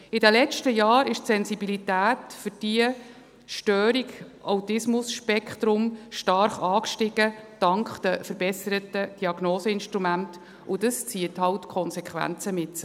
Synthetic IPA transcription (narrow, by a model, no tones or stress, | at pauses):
ɪdɛlɛt͡ʃtəjɑːɾɪʃtsɛnzibilitæːtfʏɾd̥iə | ʃtœːɾiɡʔawtɪsmʊsʃpɛkχt̪ɾʊmʃtɑɾχɑːkʃtɪɡ̥əd̥ɑŋkχd̥əfəɾbɛsəɾətəd̥iɑɡ̥noːsəɪnʃtɾumænt | ʊdəst͡siəthɑwtkʰɔnsɛkχʋæ̰nt͡səmɪtsə